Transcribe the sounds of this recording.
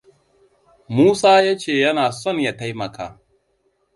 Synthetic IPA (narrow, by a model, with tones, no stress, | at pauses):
muː˦saː˦jaː˦t͡ʃeː˦˨jɐ˦naː˨sɔ˦˨ɲja˦ta˦jmɐ˨ka̰ː˦